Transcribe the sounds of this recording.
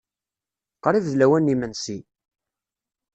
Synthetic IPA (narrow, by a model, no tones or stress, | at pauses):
qɾˤivðlæwænːimənsi